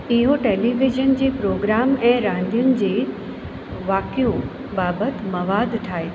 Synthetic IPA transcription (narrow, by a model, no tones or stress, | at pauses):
ɪɦoʈeːliʋɪd͡ʒənd͡ʑeːpɾoːɡɾaːmɛ̃ːɾãːn̆d̪ʱijʊnɪ̆d͡ʑeː | ʋaːkijo | baːbət̪mɐʋaːd̪ʈʰaːe